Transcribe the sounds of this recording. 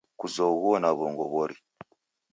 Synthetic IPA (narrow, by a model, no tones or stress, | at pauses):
kuzoɣɔnaβoŋɡɔβɔɾi